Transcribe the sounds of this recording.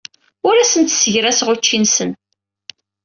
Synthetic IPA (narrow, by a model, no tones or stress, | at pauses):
ʊɾæsənt̪səʝɾæsʁʊt͡ʃːinsən